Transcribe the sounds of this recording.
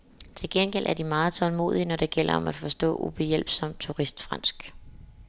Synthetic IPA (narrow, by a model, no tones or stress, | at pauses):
t͡sʰe̝lɡ̥enɡ̥elʔæɐd̥imɑ̈ːð̩ˠt͡sʰɒ̽lmo̝̰ːðˠiənɒd̥e̝ɡ̥el̰ɐɒ̽mæd̥fɒ̽sd̥ɔ̰̽ːub̥ejel̰b̥sɒ̽m̰d̥̚t͡sʰuʁisd̥fʁɑ̈n̰sɡ̥